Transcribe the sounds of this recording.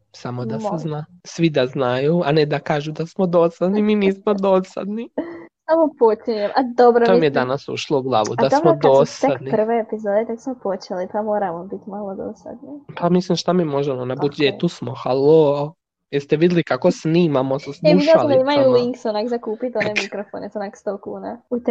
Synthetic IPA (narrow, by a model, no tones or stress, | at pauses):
samod̪asezna | sʋid̪aznajuaned̪akaːʒud̪asmod̪osad̪niminiːsmod̪osa̰d̪nisamopot͡ʃiɲemʔad̪obɾoomijed̪anasṵʃlˠouɡlˠaːʋṵd̪asmod̪ossad̪nir̩ʋeepizoːd̪et̪aksmopot͡ʃelipamoːɾamobit̪malˠod̪o̰sa̰d̪nipʰamislimʃt̪amiːmo̞ʒemonabud͡ʒet̪usmoxalo | jeɾst̪ɛʋid̪ʲelikakosniːmamososmiaoeimajuliŋksonakzakuːpit̪onemikɾofonesonakst̪okuːnaut̪